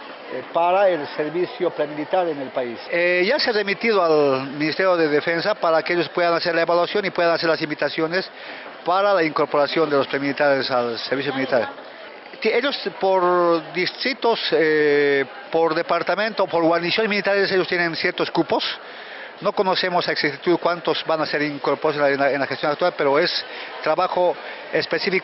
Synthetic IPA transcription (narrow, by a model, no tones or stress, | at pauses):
paɾaelse̞ɾβisjo̞pɾemilit̪aɾene̞lpaiseʝasearemit̪iðoalminist̪eɾjoðeðefensapaɾakeeʎo̞spwe̞ðanase̞ɾlae̞βalwasjo̞nipweðanaseɾlas̬imbit̪asjone̞s | paɾalaiŋko̞ɾpo̞ɾasjo̞nd̪e̞lo̞spɾemilit̪aɾesalseɾβis̬jomilit̪aɾ | t̪eʎo̞spoɾd̪ist̪ɾit̪ose | po̞ɾðe̞paɾt̪amẽnt̪opo̞ɾɣwaɾnisjonesmilit̪aɾeseʎost̪jenensje̞ɾt̪o̞skupo̞s | no̞ko̞no̞se̞mosaeksiit̪uðkwant̪o̞zbanase̞ɾiŋkoɾpoosenenlaxest̪jonakt̪walpe̞ɾoe̞st̪ɾaβaxo̞ | espe̞sifik